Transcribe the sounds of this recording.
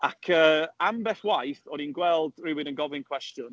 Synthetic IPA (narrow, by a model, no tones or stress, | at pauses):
akʰəːambɛːθwajθɔninɡwɛlˠd̥rɪwɪnənɡɔvɪnkʰw̥ɛstjɔn